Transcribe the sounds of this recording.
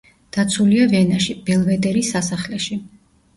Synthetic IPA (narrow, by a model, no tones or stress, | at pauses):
d̪̥at̪sʰuliavɛnaʃib̥ɛlˠvɛd̪ɛɾisasaχlɛʃi